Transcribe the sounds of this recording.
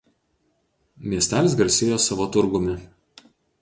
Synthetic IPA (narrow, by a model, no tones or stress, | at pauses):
mʲiɛsʲt̪ʲæːlʲɪsɡɐɾʲsʲɪjoːsɑʋoːt̪ʊɾɡʊmʲɪ